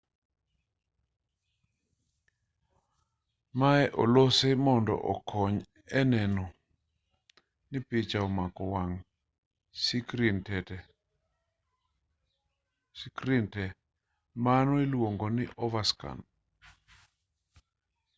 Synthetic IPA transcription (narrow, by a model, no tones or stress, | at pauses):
maɛʔɔ̰losemɔndɔ̰ʔɔ̰kʰɔɲ | ɛnɛnɔ | nɪpɪt͡ʃaɔmakɔwaŋ | skintɛɛ | skɾintɛ | manɔilwoŋɡonɪʔɔvaska̰n